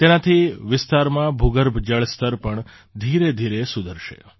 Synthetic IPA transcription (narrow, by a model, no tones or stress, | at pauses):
t̪enat̪ʰiʋɪst̪aɾmãbʱuɡəɾbʱd͡ʒəɭst̪əɾpəɳ | d̪ʱiɾed̪ʱiɾesud̪ʱəɾʃḛ